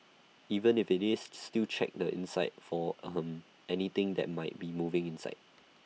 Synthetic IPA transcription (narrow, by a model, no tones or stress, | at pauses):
ivə̃nɪfɪt̚disstilt͡ʃʰɛ̰k̚dəʔɪ̰̃nsaɪt̚fɔʌ̃m | ʔɛnit̪ɪ̃ŋd̪ɛ̰t̚maɪt̚bimuvɪ̃ŋĩnsa̰ɪt̚